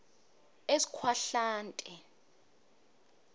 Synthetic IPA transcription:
esi̥kʰwaɬaːntʼɛ

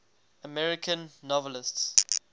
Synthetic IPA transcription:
əmɛɹɪkʰə̃nːɔvəlɪsts

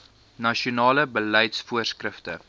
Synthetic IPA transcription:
nɐʃionɑːləbəlɛjtsfuərskrəftə̰

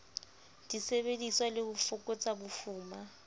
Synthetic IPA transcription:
d̥isebediswalɪhʊfʊkʼɔt͡sʼabufuːma

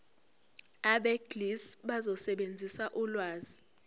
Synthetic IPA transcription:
aɓɛɡlisɓazɔsɛɓend͡zʱisaʔulwaːzi

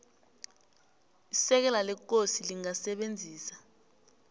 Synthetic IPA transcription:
isɛk̬ɛlalɛk̬osiliŋasɛɓend͡zʱiːsḁ

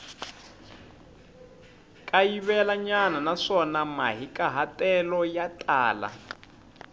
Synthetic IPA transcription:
kʼajiβɛlaɲananaʂɔnamaɦikʼaɦatʼɛlɔjatʼaːla̰

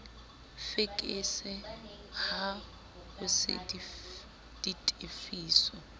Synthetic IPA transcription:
fɪkʼɪsɪ | ha | hʊsɪ̰di | d̥itʼefiːsɔ

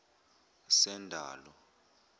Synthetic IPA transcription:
sɛndʱa̰ːlɔ

